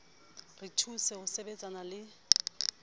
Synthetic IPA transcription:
ritʰusɛʊsebet͡sʼanalɪ

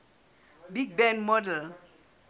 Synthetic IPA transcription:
biɡ̚bɛ̃nmɔdəl

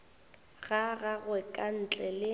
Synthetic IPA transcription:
ɣaɣaɣwɛkʼan̩t͡ɬʼɛlɪ

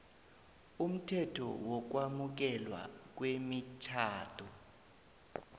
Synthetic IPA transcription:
um̩tʰɛtʰɔ̰wɔk̬wamuk̬ɛlwa̰k̬wemit͡ʃʰaːtʰɔ

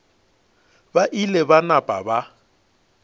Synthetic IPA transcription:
baʔilɛbanapʼa̰ba

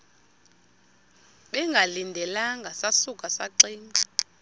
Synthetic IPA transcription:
ɓɛŋɡʱalindʱɛlaŋɡʱasasukʼasaǀiːŋɡʱa

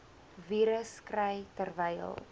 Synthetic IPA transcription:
viːɾəskrəjtərvəjə̰lˠ

